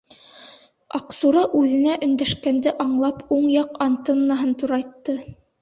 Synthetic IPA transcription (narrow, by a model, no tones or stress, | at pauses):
ɑ̰qsuɾɑʔʉðɘ̆næʔɵ̆nd̪æʃkænd̪ɘʔɑɴlˠɑpuɴjɑqɑnt̪enːɑɦɤnt̪uɾɑjt̪ːɤ